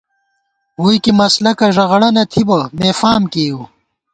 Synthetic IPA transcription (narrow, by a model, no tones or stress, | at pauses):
huːjkimɐslɐkɐʐɐɣɐɽɐnɐt̪ʰibɐmeːfaːmkeːu